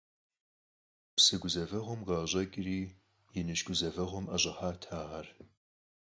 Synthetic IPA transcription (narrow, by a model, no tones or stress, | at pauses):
psɨɡʷʊzɐvɐʁʷɔmʁɑːʑʼɐɡʼriː | jɪnɨʃɡʷʊzɐvɐʁʷʊmɐʑʼɐħaːtʰaːʁɐr